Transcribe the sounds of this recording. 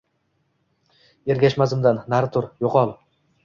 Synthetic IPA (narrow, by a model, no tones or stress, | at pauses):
e̞ɾɡʲaʃmazɪmd̪anːaɾt̪ʰʊɾjoqɒlˠ